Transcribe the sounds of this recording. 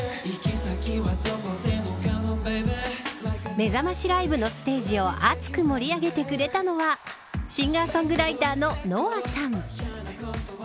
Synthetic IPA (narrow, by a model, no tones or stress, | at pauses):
me̞zamaɕiɾaibɯ̟no̞sɨ̥t̪e̞ːʑio̞ʔat͡sɨ̥kɯmo̞ɾʲiaɡe̞t̪e̞kɯ̟ɾe̞t̪ano̞βa | ɕĩŋɡaːsõ̞ŋɡɯ̟ɾait̪aːno̞no̞ːasãɴ